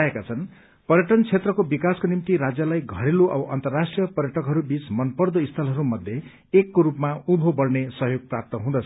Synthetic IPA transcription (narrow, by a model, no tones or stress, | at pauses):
ekat͡sʰʌn | pʌɾjʌʈʌnt͡sʰet̪rʌkobikaskonimt̪iɾad͡zjalajɡʱʌɽeluʔʌ̰bʌʔʌnt̪ʌrːasʈrijʌpʌɾjʌʈʰʌkɦʌɾubit͡smʌnpʌrd̪oist̪ʰʌlɦʌɾumʌd̪ʱje | ekːoɾupmaubʱobʌrnesʌɦjoɡ̚prap̚t̪ʌɦũd̪ʌt͡sʰ